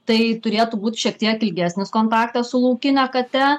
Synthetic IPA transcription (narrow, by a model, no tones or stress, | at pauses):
t̪ɐɪt̪ʊɾʲeːt̪ubuːt̪ʲʃʲiɛk̚t̪ʲiɛkɪlʲɡʲæːsʲnʲɪskoːnt̪ɑːkt̪ɐssʊlˠɐʊkʲɪnʲɛkɐt̪ʲɛ